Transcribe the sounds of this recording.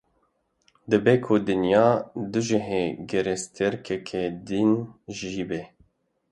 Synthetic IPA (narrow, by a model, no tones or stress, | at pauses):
d̪ɨbeːkʰud̪ɨnjɑːd̪uʒɨɦeːɡɛɾest̪ʰɨɾkʰɛkʰɛd̪inʒiːbɛ